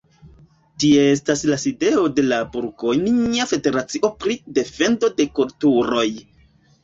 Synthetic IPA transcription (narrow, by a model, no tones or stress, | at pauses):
tieestaslaside̞o̞de̞labuɾko̞jniafe̞de̞ɾat͡siʔo̞pɾide̞fe̞ndo̞de̞kultuɾo̞j